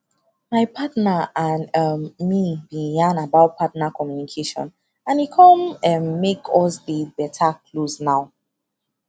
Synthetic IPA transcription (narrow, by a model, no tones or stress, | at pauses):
maɪpʰatnaãnʌmmibijãnabaʊt̚pʰatnakʰɔmjunikʰeʃɔ̰̃n | ãnikʰɔ̃mɛmːekʰɔsdəbɛtʰakʰlosnaʊ